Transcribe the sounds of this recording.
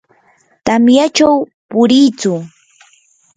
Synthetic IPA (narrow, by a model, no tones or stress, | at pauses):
t̪amjat͡ʃawpʊɾiːt͡sʊ